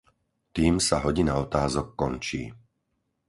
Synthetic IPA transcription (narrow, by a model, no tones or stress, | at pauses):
t̪iːmsaɦɔɟinaɔt̪aːzɔkːɔnt͡ʃḭː